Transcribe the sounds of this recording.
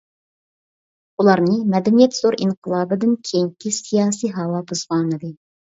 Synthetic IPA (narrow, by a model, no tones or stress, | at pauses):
ulˠɑɾnɨmɛd̪ɛnijɛt̪z̥oɾʔiŋqʰəlˠɑːbɨd̪ɨnkʲʰejiŋkʲisijɑːsijɦɑwɑbuzʁɑːnɨd̪ɨ